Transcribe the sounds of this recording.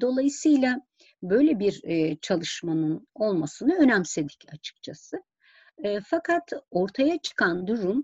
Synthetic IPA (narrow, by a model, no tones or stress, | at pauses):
d̪o̞lˠajɯsɯjlˠa | bø̞jlʲebiɾt͡ʃʰalˠɯʃmanɯno̞lˠmasɯnɯø̞næmse̞d̪icʰat͡ʃʰɯ̥k̚t͡ʃʰasɯː | fakʰat̪o̞ɾt̪ʰajat͡ʃʰɯ̥kʰand̪uɾum